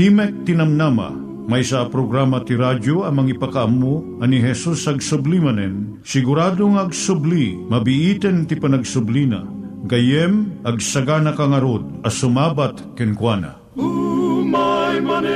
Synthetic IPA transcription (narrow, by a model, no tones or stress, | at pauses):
t̪imɛk̚t̪inɐmnama̰ | majsapɾoɡɾamɐt̪iɾad͡ʒoɐmɐŋipɐkaʔamːo | ɐniɦɛsusɐɡsʊblimɐnɛn | sɪɡʊɾaːd̪oŋɐɡsʊblimɐbiʔit̪ɛnt̪ipɐnɐɡsʊblina̰ɡɐjɛmɐɡsɐɡanɐkaŋɐɾod̪̚ɐsʊmabat̪kɛnkwana̰